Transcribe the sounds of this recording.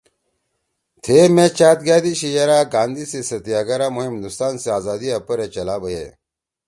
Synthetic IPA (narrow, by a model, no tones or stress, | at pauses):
t̪ʰemet͡ɕaːt̪̚ɡjaːd̪iɕijɐɾaːɡaːnd̪isesɐt̪ijaɡɐɾamuɦimd̪ust̪aːnseaːzaːd̪iɐpɐɾet͡ɕɐlaːbɐjḛ